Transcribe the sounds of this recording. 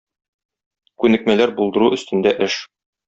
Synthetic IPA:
kʉnɘ̆k̚mælæɾbulˠd̪ɤ̆ɾuʔɵ̆st̪ɘ̆nd̪æʔɘʃ

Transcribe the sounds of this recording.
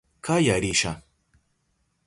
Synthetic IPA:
kʰajaɾiʃa

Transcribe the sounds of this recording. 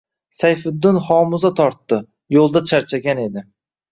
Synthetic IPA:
sajfʊd̪ːɪnχɒmʊzat̪ʰɒɾt̪ːɪ | jolˠd̪at͡ʃʰaɾt͡ʃʰaɡʲane̞d̪ɪ

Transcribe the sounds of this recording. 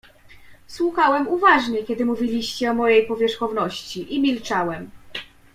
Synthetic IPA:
swuxawɛmuvaʐɲɛkʲɛd̪ɘmuvʲilʲiɕt͡ɕɛɔmɔjejpɔvʲjɛʂxɔvnɔɕt͡ɕiʔimʲilt͡ʂawɛm

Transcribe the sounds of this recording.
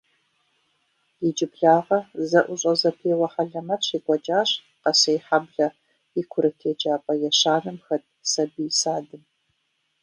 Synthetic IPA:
jɛd͡ʒɪbɮaːʁɐzɐʔʷʊɕʼɐzɐpʰeːwɐħaɮɐmɐɕiːkʷʼɔt͡ʃʼaːɕ | qɐsɐjħabɮɐ | ikʷʰʊɾɨtʰeːt͡ʃʼaːpʼɐjɛɕaːnɨmxɐt̚ʰʼsɐbisaːdɨm

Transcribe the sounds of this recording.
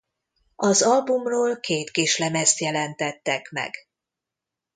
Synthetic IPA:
ɒzɒlbumroːlkʰeːt̪kiʃlɛmɛst̪jɛlɛnt̪ɛt̪ːɛkmɛ̰ɡ

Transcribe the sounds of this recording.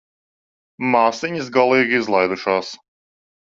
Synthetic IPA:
maːsiɲis̬ɡalˠiːɡʲizlˠajd̪uʃaːs

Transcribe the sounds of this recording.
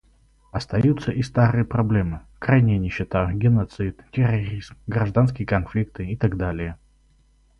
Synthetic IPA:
ɐst̪ɐjut̪səʔɪst̪aɾɨjəpɾɐblʲemɨ | kɾajnʲɪjənʲɪɕːɪt̪aɡʲɪnɐt̪sɨt̪tʲɪrɐɾʲizmɡɾɐʐd̪ans̬kʲɪjəkɐnflʲik̚t̪ɨɪt̪aɡd̪alʲɪjə

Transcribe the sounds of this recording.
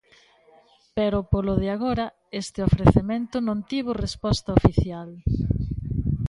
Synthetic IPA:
peɾʊpolʊðɪaɣoɾɐ | est̪ɪofɾeθemẽnt̪ʊnõnt̪iβʊrespɔst̪ɐofiθjal

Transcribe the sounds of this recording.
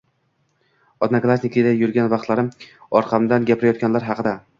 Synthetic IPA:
ɒd̪naklˠasʲnɪkʰʲɪd̪ajʊɾɡʲanvɑqt̪laɾɪmɒɾqʰɑmd̪anɡʲapʰɪɾajɒt̪kʲanlaɾɦɑqʰɨd̪a

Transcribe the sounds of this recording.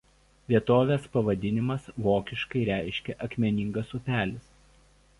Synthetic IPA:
ʋʲiɛt̪oːʋʲeːspɐʋɐd̪ʲɪnʲɪmɐsʋoːkʲɪʃkɐɪɾʲæˑɪʃʲkʲɛʔɐkʲmʲɛnʲɪŋɡɐsʊpʲæːlʲɪs

